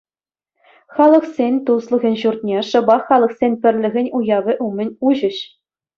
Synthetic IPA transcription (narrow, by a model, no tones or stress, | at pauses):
χɑlˠɤ̆χsʲenʲt̪uslˠɤ̆ɣʲɘ̆nʲʑurt̪̚ʲnʲeʂɤ̆bɑχːɑlˠɤ̆χsʲenʲpʲɘ̆rʲlʲɘ̆ɣʲɘ̆nʲujɑvʲɘ̆ʔumʲɘ̆nʲuʑɘ̆ɕ